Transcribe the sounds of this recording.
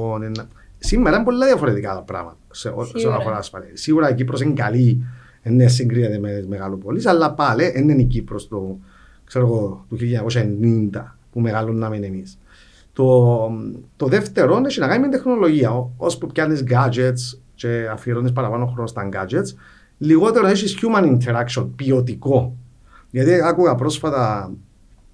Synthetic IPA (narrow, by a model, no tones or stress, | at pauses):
onenː | simːeɾɐimbolːɐðiɐfoɾet̪ikat̪ɐpɾɐ̰mɐt̪ɐ̥seoseolɐoɾasfɐlesiɣuɾɐicipɾos̬eŋɡɐli | enːes̬ːiŋɡɾiɐt̪emenizmeɣalopolisɐlːɐpaleʔenːenicipɾost̪o | kseɾoɣot̪uçilːɲɐkoʃɐenːind̪ɐpumeɣalonːɐmenemis | t̪o | t̪oðe̞ft̪e̞ɾoneʃinɐkɐnimint̪exno̞lo̞ʝiɐospupcɐnizɡad͡ʒet̪s | t͡ʃeafiɾonispɐɾɐpanoxɾo̞nost̪ɐŋɡad͡ʒet̪s | liɣo̞t̪eɾoeʃisçumɐnint̪ʰeɾakʃio̞npio̞t̪iko̞ | ʝɐt̪iakuɣɐpɾo̞sfɐt̪ɐ